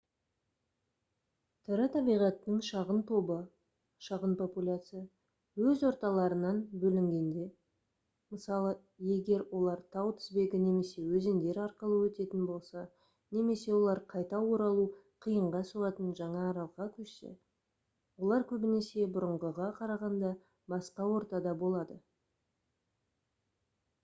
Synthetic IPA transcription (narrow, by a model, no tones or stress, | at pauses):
t̪ʰɪɾɪt̪ʰɑbijʁɑt̪ːəŋʃɑʁənt̪ʰo̞bə | ʃɑʁənpʰo̞pulʲat̪sɨja | wɵzwo̞ɾt̪ɑlˠɑɾənɑnbɵlɪŋɡʲe̞nd̪e̞ | məsɑlˠə | je̞ɡʲe̞ɾwʔo̞lˠɑɾt̪ʰɑwt̪ʰɪ̥zbe̞ɡʲɪne̞me̞se̞wɵze̞nd̪e̞ɾɑɾqəlˠəwɵt̪e̞t̪ɪnbo̞lˠsɑ | ne̞me̞se̞wo̞lˠɑɾqʰɑjt̪ɑwo̞ɾɑlˠuqʰijəɴʁɑsuʁɑt̪ənʒɑɴɑːɾɑlˠʁɑkʲʰɵʃsḛ | wo̞lˠɑɾkʲʰɵbɪne̞se̞bʊɾəɴʁəʁɑqʰɑɾɑʁɑnd̪ɑ | bɑsqɑwo̞ɾt̪ɑd̪ɑbo̞lˠɑd̪ə